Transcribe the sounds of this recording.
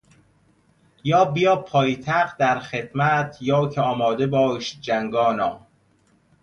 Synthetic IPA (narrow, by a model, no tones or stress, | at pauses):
jɒːbijɒːpʰːɒːjet̪ʰæχ̚d̪æɾxed̪mæt̪ʰjɒːcʰeɒːmɒːd̪ebɒːʃd͡ʒæŋɡɒːnɒː